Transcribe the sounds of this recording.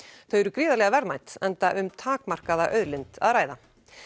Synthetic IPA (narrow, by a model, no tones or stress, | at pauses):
θœɥɛɾʏkɾiːðalɛɣavɛɾðmajt̪ɛnt̪aʔʏmt̪ʰaːkmar̥kaðaʔœɥðlɪnt̪a̰ðɾaːjða